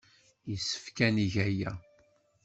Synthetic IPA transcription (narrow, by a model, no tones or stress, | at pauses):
jisːə̥fkæniʝæjæ